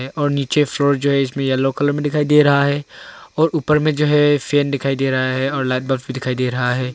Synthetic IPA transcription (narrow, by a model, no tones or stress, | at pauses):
ɛʔɔːɾniːt͡ʃefloːɾd͡ʒoːɦɛɪsmẽjɐlokələɾmẽd̪ɪkʰaːid̪eːɾɐɦaɦɛːɔːɾʔuːpəɾmẽd͡ʒoːɦɛfʰeːnɖ̪ɪkʰaːid̪eːɾɐɦaɦɛɔːɾlɛːʈ̚bəlfbʱid̪ɪkʰaːid̪eːɾɐɦaɦɛː